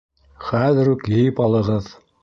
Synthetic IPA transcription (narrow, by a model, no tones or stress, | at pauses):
χæðɘ̆ɾukjɘjɘpɑlˠɤ̆ʁɤð